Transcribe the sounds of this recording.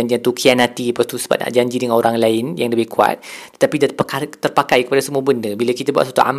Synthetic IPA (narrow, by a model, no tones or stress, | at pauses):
aɲd͡ʒiat̪ukʰianat̪ipast̪usə̥ba̰t̪̚na̰ʔd͡ʒaɲd͡ʒidəŋanoɾaŋlaɪnjaŋləbɪhkua̰t̪̚t̪ə̥t̪apid̪pakat̪ərpakajkəpadasəmuabəndəbilakit̪abua̰ʔ̪sat̪ṵa̰m